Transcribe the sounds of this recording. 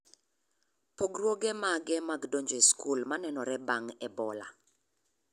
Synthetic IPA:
poɡrwoɡɛmaɡɛmaɡdoɲd͡ʒoiskulmanɛnɔɾɛbaŋɛbɔla̰

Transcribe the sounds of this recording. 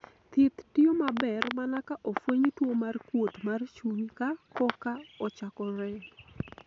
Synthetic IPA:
t̪ɪt̪tiomabɛrmanakaʔofwoɲtwomarkwotmart͡ʃumikakɔkaɔt͡ʃakɔɾɛ

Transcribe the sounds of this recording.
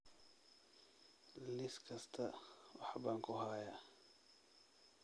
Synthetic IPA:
lɪskʰɐst̪ʰɐwɑħbaːŋkʰʊɦajaː

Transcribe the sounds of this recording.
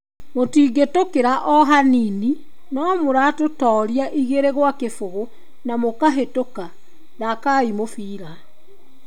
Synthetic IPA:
motiːɡetokeɾaʔɔɦanini | nɔmoɾatotɔːɾjaʔiɣeɾeɣwakefoɣo | namokaɦetoka | nakaimofiːɾa

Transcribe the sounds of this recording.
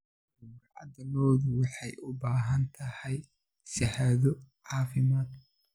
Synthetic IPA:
ʊmɾaʔɐ̰d̪ɐmɔːðʊwɑħɑjʊbaːɦɐnt̪ʰɐhɛj | sɐhaðɔʕɑːfɪmaːd̪

